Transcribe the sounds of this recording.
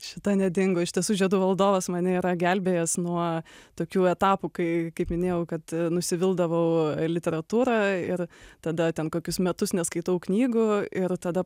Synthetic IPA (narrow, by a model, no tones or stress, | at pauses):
ʃʲɪt̪ɐnʲɛd̪ʲɪŋɡoːɪʃtʲiɛsuːʒʲiɛd̪uːʋɐlˠd̪oːʋɐsmɐnʲɪiːɾɐɡʲælʲbʲeːjɛsnuɔt̪oːkʲuːɛt̪ɑːpukɐɪkɐɪpmʲɪnʲeːjɛʊkɐt̪nʊsʲɪʋʲɪlˠd̪ɐʋɐʊlʲɪt̪ʲɛɾɐt̪uːɾɑːɪɾt̪ɐd̪ɐt̪ʲɛnkoːkʲʊsmʲɛt̪ʊsnʲɛskɐɪt̪ɐʊknʲiːɡʊɪɾt̪ɐd̪ɐ